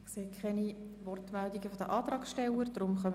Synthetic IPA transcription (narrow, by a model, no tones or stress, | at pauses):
kseːkʰχɛnivɔrtmældiɡəfɔd̥əʔɑːtɾɑːksʃtɛləɾd̥rʊmχœm